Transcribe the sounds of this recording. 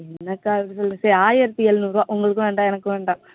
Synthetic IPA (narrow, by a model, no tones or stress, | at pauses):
ɛnɐkːaːʋʈːisɔlːɐŋsɐɾaːjɛɾt̪ːiɛlnuːɾʋaːʔʊŋɡɐɭɯkːɯ̃ʋeːɳɖãːɛnɐkːɯ̃ʋeːɳɖãː